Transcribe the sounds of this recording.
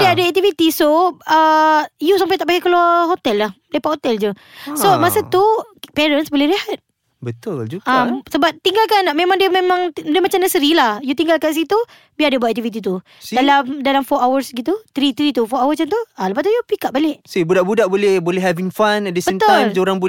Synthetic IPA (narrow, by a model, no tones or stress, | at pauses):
diəadəɛk̚t̪ifit̪isoəjusampajt̪aʔpaɡɛkəluaɦot̪ɛlːahlepaʔhot̪ɛld͡ʒusomasət̪u | pɛɾənsbolɛhɾehat̪̚ | bət̪ʊld͡ʒuɡamsəbap̚t̪iŋɡalkanamẽmãŋdiəmemãŋdiəmat͡ʃamnəsəɾilahjut̪iŋɡalkans̬it̪u | biadiəbuat̪ʔɛk̚t̪ifit̪̬it̪̬u | sdalamdalamfɔawərsɡit̪ut̪ɾit̪ɾit̪ufɔawəsant̪ualəpaʔ̪t̪ujupikaʔ̚baleʔsibudaʔbudaʔbolɛhbolɛɦɛviŋfanɛdəsbə̃mt̪ʊajlmoɾaŋbo